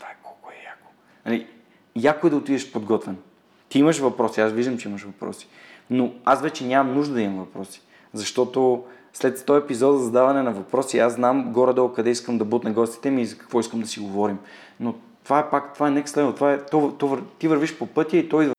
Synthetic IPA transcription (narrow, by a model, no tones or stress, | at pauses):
t̪vaɛkɔ̥lˠkʊɛjako̥ | ɐli | jakoɛd̪ɐot̪id̪ɛʃpod̪ɡɔt̪vɛn | t̪iiməʃvɐpɾɔsiasviʒd̪əmt͡ʃɛiməʃvɐpɾɔ̰si̥ | noasvɛt͡ʃɛnʲamɐmnuʒd̪ɐd̪ɐimɐmvɐpɾɔsi̥ | zɐʃt̪ɔt̪o | slɛt̪t̪ɔjɛpizɔd̪zɐd̪avɐnɛnɐvɐpɾɔsiasnamɡɔɾɐd̪ɔlˠkɐd̪ɛiskəmd̪ɐbut̪nɛɡɔst̪i̥t̪ɛmiːzɐkɐ̥kvɔiskəmd̪ɐsiɡovɔɾim | no | t̪ovaɛpakt̪ovaɛnɛkslɛd̪not̪ovaɛt̪ɔvt̪ɔvəɾt̪ivəɾviʃpopɤt̪ʲjɐit̪ɔj